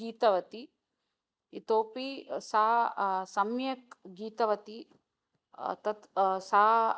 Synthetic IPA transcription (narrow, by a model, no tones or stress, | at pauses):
iːt̪ɐʋɐt̪i | it̪oːpisaːsɐmjɐkɡiːt̪ɐʋɐt̪i | t̪ɐt̪sa